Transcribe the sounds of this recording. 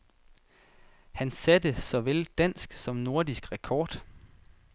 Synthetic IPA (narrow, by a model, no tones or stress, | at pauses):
hænsæd̥əsɒ̽ʋeld̥æn̰sɡ̥sɒ̽mno̝ɐ̰d̥isɡ̥ʁɛkʰɒːd̥